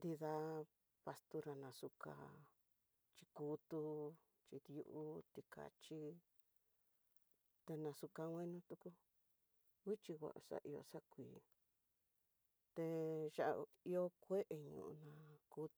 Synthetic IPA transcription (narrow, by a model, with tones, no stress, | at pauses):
nd̪i˧ða˧ | pa˧st̪u˧ɾa˧nã˨su˧ka̰˧ | t͡ʃi˧kuː˦t̪u˧ | t͡ʃi˧ðju˧ʔu˦t̪i˧ka̰˨t͡ʃi˦ | t̪e˧nã˧su˧ka˧wʷẽ˦nũ˦t̪u˧ku˧ | wi˦t͡ʃi˧ɣʷa̰˨ʔa˨sa̰˦˧ʔi˧o̰˧sa˦kʷiː˨ | t̪e˧ʃa˨ʔ | i˧o˦kʷe˦ʔe˧ɲṵ̃˧˨ṵ˧nã˧ku˦˧